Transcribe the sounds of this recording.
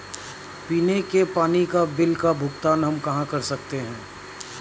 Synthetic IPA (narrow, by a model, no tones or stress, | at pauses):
piːnekepaːnikabɪlkabʱʊkt̪aːnɦɐmkɐɦãkɐɾsɐkt̪eɦɛ̃ː